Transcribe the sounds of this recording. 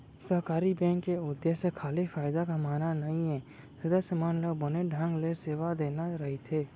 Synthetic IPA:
səɦkaːɾibɛ̃ːŋkːeʊd̪jesekʰaːlifaːɪd̪akamaːnanɐɦĩɦɛ̃ː | sɐd̪əsjəmaːnləɡbəneɖʱãŋɡleseːʋad̪eːnaɾɐɦit̪ʰeː

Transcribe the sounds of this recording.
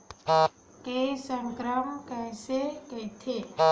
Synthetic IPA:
kesəŋkɾəmkɛːseket̪ʰe

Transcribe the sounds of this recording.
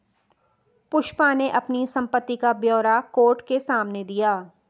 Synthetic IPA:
pʊʃpaneʔɐpnisɐ̃mpət̪ːikabjɔːɾakoːʈkesaːmned̪ijaː

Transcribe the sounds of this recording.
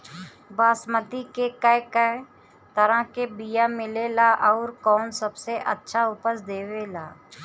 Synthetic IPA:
baːsmət̪ikekəkə | t̪əɾãkebijamɪlelaʔɔːɾkɔːnsəbseʔə̰tːʃʰaʊpəsd̪eːwelaː

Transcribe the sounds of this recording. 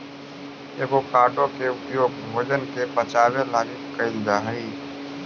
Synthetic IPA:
eːɡokaːʈõkeʊpjoːɡbʱɐd͡ʒənkepət͡ʃaːʋelaːnikəɪld̪aɦɐi

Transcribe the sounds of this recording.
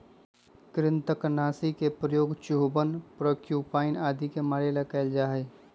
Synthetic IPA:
kɾɪnt̪əknaːsikepɾəjoːɡt͡ʃuɦbənpɾoːkjuːpaːɪnaːd̪ikemaːɾelakaɪld͡ʒaːɦe

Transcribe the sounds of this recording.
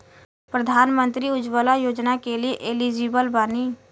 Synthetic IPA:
pɾəd̪ʱaːnmə̃nt̪ɾiʊd͡ʒʋəlajoːd͡ʒnakelieʔɪliːd͡ʒiːbəlbaːniː

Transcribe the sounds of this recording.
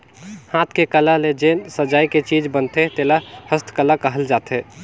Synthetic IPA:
hãːt̪ʰkekəlaled͡ʒensəd͡ʒaːiket͡ʃiːd͡ʒbənt̪et̪eːlahəst̪ʰkəlakəɦəld͡ʒaːt̪e

